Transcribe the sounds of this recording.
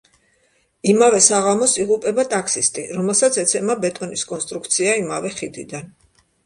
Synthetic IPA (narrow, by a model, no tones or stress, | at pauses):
imavɛsaʁamɔsiʁupʼɛbat̪ʼakʰsist̪ʼiɾɔmɛlˠsat̪sʰɛt̪sʰɛmabɛt̪ʼɔniskʼɔnst̪ʼɾuk̚ʰt̪sʰiaimavɛχid̪id̪an